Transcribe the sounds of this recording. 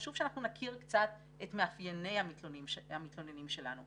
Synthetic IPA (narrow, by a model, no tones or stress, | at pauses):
aʃuvʃeanaχnunakʰiʁkt͡sat̪ | et̪meafjene̞jhamit̪lonimʃhamit̪loninimʃe̞lanu